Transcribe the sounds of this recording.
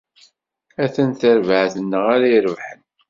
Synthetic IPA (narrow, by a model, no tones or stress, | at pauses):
æθənθəɾvəʕθənːəʁaɾaiɾəvħən